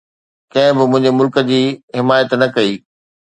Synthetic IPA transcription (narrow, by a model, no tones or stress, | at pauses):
kɐ̃ɦɪ̃bɪmʊ̃ɦɪ̃ɲd͡ʑemʊlkə̆d͡ʑiːɦɪmaːjət̪nɐkɐiː